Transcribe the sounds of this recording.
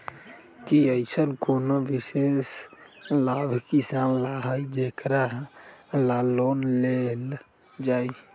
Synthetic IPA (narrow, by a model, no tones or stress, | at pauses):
kiəɪsənkonoʋɪses | laːbʱkisaːnlaɦəd͡ʒeːkɾa | laloːnlel | d͡ʒaːi